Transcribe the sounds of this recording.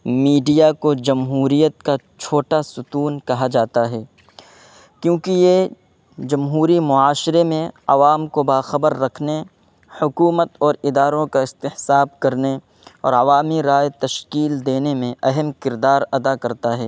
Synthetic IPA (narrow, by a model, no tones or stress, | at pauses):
miːɖijakod͡ʒɐmɦuːɾijət̪̚ka | t͡ʃʰoːʈasʊt̪uːnkɐɦad͡ʒaːt̪aɦɛː | kjõːkije | d͡ʒɐmɦuːɾimʊaːʃɾemẽɐ̰ʋaːmkobaːxɐbəɾːɐkʰne | hʊkuːmət̪ɔːɾɪd̪aːɾõkaɪst̪ɪhsaːbkɐɾne | ɔ̰ːɾɐʋaːmiɾaːjt̪ɐʃkiːld̪eːnemẽɐɦəmkɪɾd̪aːɾɐd̪akɐɾt̪aɦɛː